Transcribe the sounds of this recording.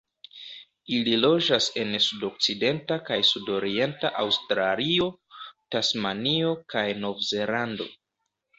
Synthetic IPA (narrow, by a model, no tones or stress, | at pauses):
ililo̞d͡ʒase̞nsudo̞k̚t͡side̞ntakajsudo̞ɾie̞nta̰ʔawstɾalio̞tasmanio̞kajno̞vze̞lando̞̰